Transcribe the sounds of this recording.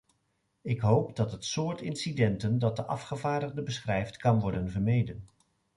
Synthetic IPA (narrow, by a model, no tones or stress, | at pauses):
ɪkɦowpdɑtɦətsʊːɹtɪnsidɛntəndɑt̚dəʔɑ̰fχəvaːdəχdəbəsχrɛjftkɑnʋɔɹdənvəɹmejdən